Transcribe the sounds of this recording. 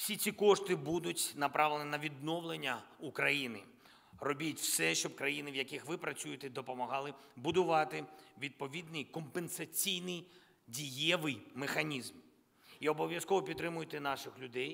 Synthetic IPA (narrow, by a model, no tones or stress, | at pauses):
wsʲit͡sʲikɔʂt̪ɪbud̪ʊtʲnɐpɾɑʋɪlʲˠenʲɪnɐʋʲid̪nɔwlˠenʲːɐukɾɐjinɪ̰ | rɔbʲitʲwsɛʃt͡ʃɔbkɾɐjinɪʋjɐkɪxʋɪpɾɐt͡sʲujʊt̪ed̪ɔpɔmɐɦɑlˠɪbʊd̪ʊʋɑt̪ɪʋʲid̪̚pɔʋʲid̪nɪjkɔmpensɐt͡sʲijnɪj | dʲijɛʋɪjmexɐnʲizm | iɔbɔʋʲjɐskɔʋɔpʲit̪t̪ːɾɪmʊjʊt̪ɛnɑʃɪxlʲʊd̪ɛj